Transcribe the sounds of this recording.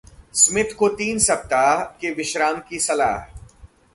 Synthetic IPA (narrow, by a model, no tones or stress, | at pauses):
smɪt̪ʰkot̪iːnsɐb̚t̪aːkeʋɪʃɾaːmkisɐla̰ːɦ